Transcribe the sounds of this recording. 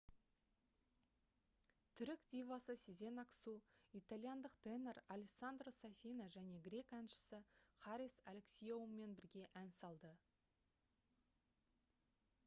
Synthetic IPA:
t̪ʰʏɾɪkd̪ʲijvasəsʲize̞naksuijt̪alʲjand̪əqd̪̥eneɾalʲeksand̪rosafʲijnaʒæne̞ɡɾʲe̞kænʃɪ̥sɪχɑɾʲisa̰lʲeksʲijoummːe̞nbɪɾɡʲe̞ʔænsɑlˠd̪ə

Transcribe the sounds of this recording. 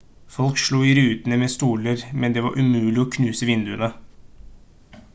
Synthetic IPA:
fɔlkʂɭuːɪɾʉːt̪ənəmeːst̪uːləɾmɛnd̪ɛːʋɑ̰ɾʔʉmʉːlɪɔkʰnʉːsəʋɪnd̪ʉənə

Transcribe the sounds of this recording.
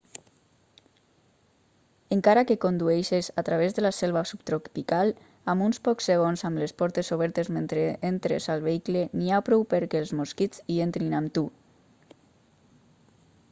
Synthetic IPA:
eŋkaɾakekond̪uejʃezat̪ɾaβezðəlasɛlˠβasupt̪ɾokpikalˠ | amunspɔksːeɣonzamlespɔɾt̪ezoβ̞ɛɾt̪ezment̪ɾeent̪ɾḛzalˠβeikleniapɾɔwpəɾkelˠzmoskit͡sient̪ɾinamt̪u

